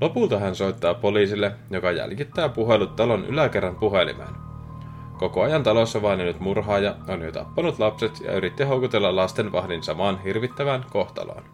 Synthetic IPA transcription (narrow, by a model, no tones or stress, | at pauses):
lo̞pult̪ɑɦænso̞jt̪ːɑːpo̞liːsilːejo̞kɑjæ̰lkit̪ːæːpuɦe̞lut̪ːɑlo̞nʔy̰læke̞rːɑmpuɦe̞lḭmḛːn | ko̞ko̞ɑjɑnt̪ɑlo̞sːɑʋɑinjonyt̪murɦɑːjɑonjot̪ɑ̰pːɑnut̪lɑpset̪jɑ̰yɾit̪ːiɦo̞ukut̪e̞lːɑlɑst̪enʋɑhdinsɑmɑːnɦirʋit̪ːæʋænko̞ht̪ɑ̰lɑ̰ːn